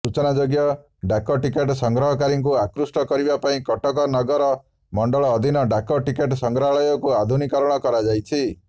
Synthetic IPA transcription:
sut͡ʃɔnad͡ʒoɡjɔ | ɖakɔʈikeʈsɔŋɡɾɔɦɔkaɾiŋk̬uakɾusʈɔkɔɾibapaĩkɔʈɔkɔnɔɡɔɾɔ | mɔɳɖɔɭɔːd̪ʱinɔɖakɔʈikeʈsɔŋɡɾaɭɔjɔkuad̪ʱunikɔɾɔɽ̃ɔkɔɾad͡ʒajt͡ʃʰi

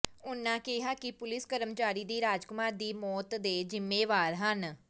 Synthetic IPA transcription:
ʊnãːkɪɦaːkɪpʊlɪskəɾəmt͡ʃaːɾiːd̪iːɾaːd͡ʒkʊmaːɾd̪iːmɔːt̪d̪eːzɪmːeːʋaːɾɦən

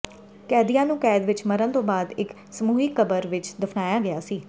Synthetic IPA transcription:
kɛːd̪ijãːnũːkɛːd̪ʋɪt͡ʃməɾənt̪õːbaːd̪ɪk | səmuːɦiːkəbəɾʋɪt͡ʃd̪ɪfʰnaːjaːɡɪjaːsiː

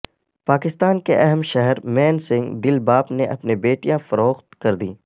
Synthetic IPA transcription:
paːkɪst̪aːnkeʔɛɦɛmʃɛɦɛɾmɛ̃ːnsɪ̃ŋɡd̪ɪlbaːpneʔɐ̰pnebeːʈijãfɐɾoːxt̪kɐɾd̪ḭː

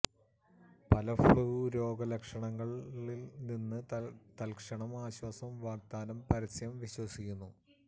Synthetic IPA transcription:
pɐlɐfɭuːɾo̞ːɡɐlɐkʂɐɳɐŋːɐɭilninːɨt̪ɐlkʂɐɳɐmaːɕwɐsɐmʋaːɡ̚d̪aːnɐmpɐɾɐsjɐmʋiɕwɐsikʲːunːu

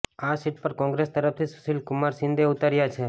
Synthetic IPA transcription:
asiʈ̚pəɾkɔ̃ŋɡɾest̪əɾəft̪ʰisu̥ʃilkʊmaɾsɪ̃nd̪ʱeʊt̪aɾjat͡ʃʰe

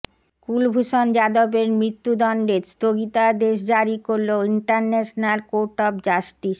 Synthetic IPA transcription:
kulbʱuʃond͡ʑad̪obeɾmɾit̪ːud̪ɔnɖeɾst̪oɡit̪ad̪eʃd͡ʑaɾikoɾloiɳʈaɾnɛʃnalkoɾʈɔpd͡ʑaʃʈiʃ

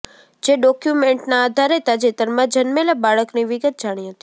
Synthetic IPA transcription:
d͡ʒeɖɔkjumeɳʈnaːd̪ʱaɾet̪ad͡ʒet̪əɾmãd͡ʒənmelabaɭəkniʋɪɡət̪̚d͡ʒaɽ̃iɦət̪i

